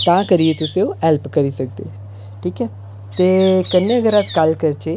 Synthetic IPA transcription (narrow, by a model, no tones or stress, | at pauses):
t̪ãːkəɾiet̪ʊseoɛlpkəɾisɐk̚d̪eɛ | ʈʰiːkɦɛː | t̪eːkənːeəɡəɾatkɐlkəɾt͡ʃeː